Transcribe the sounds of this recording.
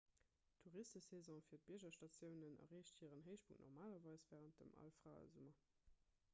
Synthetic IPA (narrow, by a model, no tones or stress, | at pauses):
tʰuʁistəsezɑ̃fiːɐt̚b̥iɐʑɐʃtɑt͡sjəʊnənɐ̰ʁeːʃthiːʁənɦəɪʃpʰuŋnʔɔ̰ʁmaːlɐvɑɪsv̥ɛːʁənt̚də̰mɑ̰lfʁaːə̰zumɐ